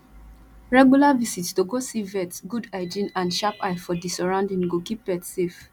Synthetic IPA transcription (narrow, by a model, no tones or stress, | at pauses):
ɹɛɡjulavisitstoɡosivɛtɡudaɪd͡ʒĩnãndʃapaɪfɔdisɔɹãʊndĩŋɡokip̚bɛtsef